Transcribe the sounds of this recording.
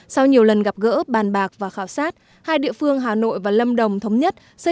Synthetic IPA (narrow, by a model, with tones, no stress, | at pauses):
sa˧wɲi˨˩əwlə˨˩nɣa˨˩p̚ɣə̰ː˧˥ɓaː˨˩nɓaː˨˩k̚vaː˨˩xaː˧˩wsaː˦˥t̚ | haː˧jɗḭ˧˨əfɨ˧əŋɦaː˨˩no̰˧˨jvaː˨˩lə˧mɗə˨˩wŋ͡mt̪ʰə˨˦wŋ͡mɲə˦˥t̚ | sə˧˥